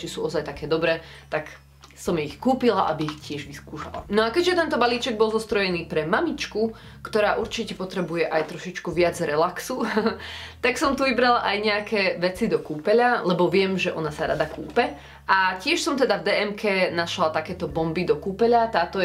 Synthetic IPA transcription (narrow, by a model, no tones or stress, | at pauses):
t͡ʃisuːɔzajt̪akɛːd̪ɔbɾɛːt̪ak | sɔmjɛixkuːpilaʔabiixcɪɛʒʋiskuːʃa̰la̰nɔakɛʒɛt̪ɛnt̪ɔbaliːt͡ʃɛɡ̚bɔlˠzɔst̪ɾɔjɛniːpɾɛmamit͡ʃku | kt̪ɔɾaːʔuɾt͡ʃicɛpɔt̪ɾɛbujɛʔajt̪ɾɔʃit͡ʃkuʋɪad͡zɾɛlaksu | t̪aksɔmt̪uʋibɾalaʔajɲɛakɛːʋɛt͡sid̪ɔkuːpɛʎalɛbɔʋɪɛmʒɛʔɔnasaɾa̰d̪akṵːpɛ | ʔacɪɛʃsɔmt̪ɛd̪avd̪ɛːʔɛmkʰɛːnaʃlat̪akɛːt̪ɔbɔmbid̪ɔkuːpɛʎat̪aːt̪ɔ